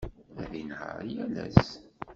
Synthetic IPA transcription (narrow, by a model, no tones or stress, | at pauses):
æðinhəɾjælæs